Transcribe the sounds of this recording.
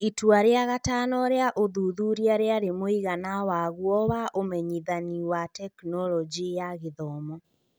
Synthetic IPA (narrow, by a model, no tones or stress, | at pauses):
itwaɾeaɣataːnɔɾeaʔoðuðuɾiaɾeaɾemoiɣanawaɣuɔwaʔomɛɲiðaniwatɛknɔlɔd͡ʒijaɣeðɔmɔ